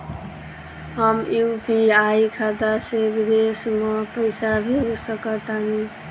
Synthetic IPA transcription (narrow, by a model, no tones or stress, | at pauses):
ɦəmjupiaikʰat̪aseɡd̪esməpəɪsabʱiusəkət̪ani